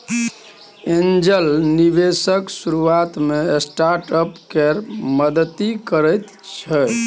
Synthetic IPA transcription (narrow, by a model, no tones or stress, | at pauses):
end͡ʒəlnibesəksuɾuat̪meesʈaɾʈəpkeɾməd̪ət̪ikəɾəjt̪ | t͡ʃʰə